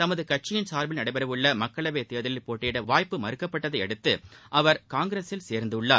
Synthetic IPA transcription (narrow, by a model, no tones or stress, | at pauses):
t̪ɐmɐðɯkɐʈ̚t͡ʃːɪjɪnsaːɾbɪlnɐɽɐɪbɐɾɐʋɯɭːɐmɐkːɐɭɐʋeɪt̪eːðɪlɪlpoːʈːeːɽɐʋaːjpːɯmɐɾɯkːɐpːɐʈːɐðɐɪɛɽɯt̪ːɯʔɐʋɐɾkaːŋɡɪɾeːsɪlseːɾnd̪ɯɯɭːaː